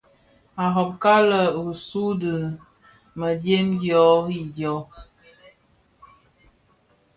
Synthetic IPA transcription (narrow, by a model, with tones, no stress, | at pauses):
a˨ɦɔ˨p̚ka˦lə˨u˨su˦də˨ | mə˨dje˦mɡjɔ˨˦i˦˨djɔ˨˦